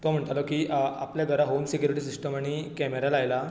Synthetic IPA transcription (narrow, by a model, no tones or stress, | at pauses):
t̪om̤əɳt̪alokiːapljaɡʱəɾaɦomsekjuɾiʈiːsisʈəmaɽ̃ikɛmeɾalajla